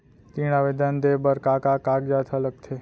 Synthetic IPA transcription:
t̪iɽ̃aʋed̪and̪ebəɾkakakak̚d͡ʒat̪ʰalək̚t̪ʰe

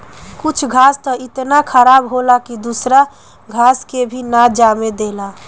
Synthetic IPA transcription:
kut͡ʃʰɡʱast̪əɪt̪nakʰəɾabɦolakid̪usɾa | ɡʱaskebʱinad͡ʒamed̪ela

